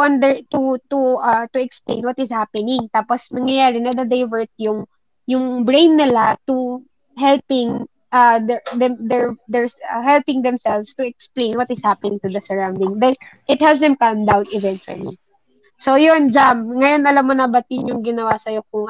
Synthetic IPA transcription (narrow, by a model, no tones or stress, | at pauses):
ʔɐnd̪ɛɹt̪ut̪uʔɐt̪ʊɛksplḛ̃jnwɐt̪ɪshapɛnɪŋt̪aːposnɐŋjɐjaːɾɪnɐd̪ɐd̪ɛjvɛɹt̪̚jʊŋ | jʊŋbɹẽjnːɪlat̪u | ɦɛlpɪŋ | ʔɐd̪ɛd̪ɛmd̪ɛɹd̪ɛɹsɐɦɛlpɪ̃ŋd̪ɛmsɛlvst̪ʊɛksplẽjnwɐt̪ɪshapɛnɪŋt̪ʊd̪ɐsɔɹãwnd̪ɪŋd̪ɛnʔɪt̪̚hɛlps̬d̪ɛmkɐmd̪awnɪvɛ̃ntwɐ̰lḭ | sojond͡ʒamŋɐjo̞nɐlamːonɐbɐt̪iɲjʊŋɡɪnɐwasɐjo̞k̚ʊŋ